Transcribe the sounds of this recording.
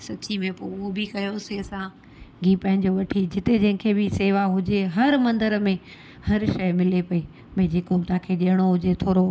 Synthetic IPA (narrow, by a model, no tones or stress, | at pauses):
sɐt͡ɕimẽpoʊɦobɪkɐjoseɐsã | ɡiːpɐ̃ɦɪ̃ɲd͡ʑoʋɐʈʰid͡ʑɪt̪ed͡ʑɐ̃ɦɪ̃kʰeːbɪseːʋaɦʊd͡ʑeɦɐɾmɐ̃nd̪əɾmẽ | hɐɾʃɐɪmɪlepɐi | mɐ̃d͡ʑeːkot̪ɐãkʰeːɗiəɽ̃oɦʊd͡ʑet̪ʰoːɾo